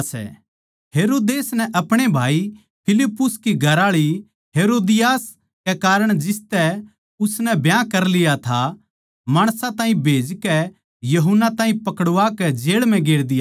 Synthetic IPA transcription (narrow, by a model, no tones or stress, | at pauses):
sɛ̰ | ɦeːɾoːd̪eːsnɛʔɐpɽ̃ebʱaːi | pʰɪlɪpːʊskiɡʱɐɾaːɭi | ɦeːɾoːd̪ɪjaːs | kɛkaːɾəɽ̃d͡ʒɪst̪ɛ | ʊsnɛbjãkɐɾlɪjat̪ʰa | maːɽ̃sãt̪ãːĩbʱeːd͡ʒkɛ | jɐɦʊnːat̪ãːɦĩpɐkəɽʊʋakɛd͡ʒeːɭmɛ̃ɡeːɽd̪ɪjaː